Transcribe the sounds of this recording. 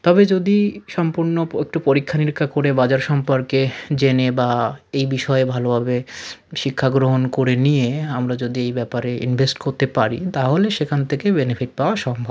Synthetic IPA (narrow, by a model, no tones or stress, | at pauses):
t̪ɔbed͡ʑod̪iʃɔmpuɾnoek̚ʈupoɾikʰːaniɾkʰːakoɾebad͡ʑaɾʃɔmpoɾked͡ʑenebaejbiʃɔebʱalobʱabeʃikʰːaɡɾoɦonkoɾenijeamɾad͡ʑod̪iejbɛpaɾeḭnbʱesʈkoɾt̪epaɾḭt̪aɦoleʃekʰant̪ʰekebenefʰiʈ̚paoaʃɔmbʱa